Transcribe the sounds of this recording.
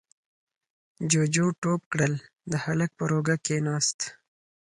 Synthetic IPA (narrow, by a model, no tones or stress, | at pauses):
d͡ʒod͡ʒoʈop̚kɽəl | d̪əhalək̚pəɾoɡakenɑst̪